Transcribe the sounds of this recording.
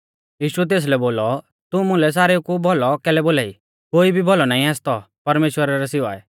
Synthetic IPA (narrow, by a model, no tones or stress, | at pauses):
jiːʃuɛt̪̬eːs̬lɛboːlɔ | t̪ũmʊ̃lɛs̬aːɾeukubʱɔlɔkɛːlɛboːlaːḭ | koːibʱibɔlɔnaːĩaːst̪ɔ | pɐɾmeːʃwəɾaɾɛsɪʋa̰ːɛ̰